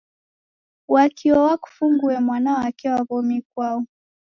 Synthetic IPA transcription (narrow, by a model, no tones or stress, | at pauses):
wakiɔwaku̥fuŋɡuɛmwanaɔakiwaβɔmik̚waɔ